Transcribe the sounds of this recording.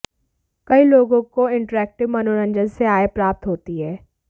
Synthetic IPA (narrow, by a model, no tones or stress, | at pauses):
kɐiloːɡõkoɪ̃ɳʈəɾɛːk̚ʈɪʋmɐnoɾə̃nd͡ʒənseaːepɾaːp̚t̪ɦoːt̪iɦɛː